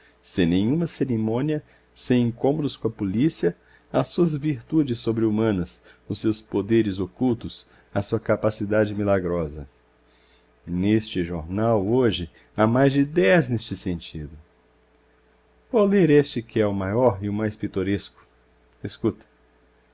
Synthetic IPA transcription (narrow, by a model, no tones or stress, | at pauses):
sẽj̃nẽj̃ũmɐseɾimõniɐ | sẽj̃ẽkõmod̪ʊskõɐpolisiɐ | asuɐzviɾt̪ud͡ʒɪsːobɾɪumɐ̃nɐs | ʊsːewspod̪eɾɪzokuwt̪ʊs | ɐsuɐkapasid̪ad͡ʒɪmilaɡɾɔzɐ̰ | nest͡ʃɪʒoɾnawoʒɪ | amajzd͡ʒɪd̪ɛznest͡ʃɪsẽnt͡ʃḭd̪ʊ | voleɾest͡ʃɪkɪɛʊmajɔɾɪʊmajspit̪oɾeskʊ̥ | eskut̪ɐ̥